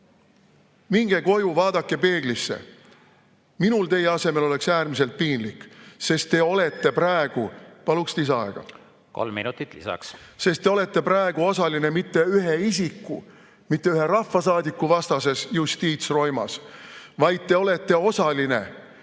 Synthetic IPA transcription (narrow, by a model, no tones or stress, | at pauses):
miŋɡ̥e̞ko̞juvɑːd̪̥ɑkːe̞pe̞ːɡ̥lisːḛ | minult̪e̞je̞ɑse̞me̞lo̞le̞ksæːrmis̬e̞lt̪̚piːnlikːse̞st̪ːe̞o̞le̞t̪ːe̞pɾæeɡ̥upɑlukst̪isɑ̰eɡ̥ɑ̰ | ko̰lmːḭnut̪ːˑit̪lḭsɑ̰ksse̞st̪ːe̞o̞le̞t̪ːe̞præeɡ̥uo̞sɑline̞mit̪ːe̞yɦeisikːu | mit̪ːe̞yɦe̞ɾɑfːɑsɑːd̪ikːuvɑst̪ɑse̞sjust̪iːt̪sro̞jmɑ̰svɑjd̪̥̚t̪e̞o̞le̞t̪ːe̞o̞sɑline̞̰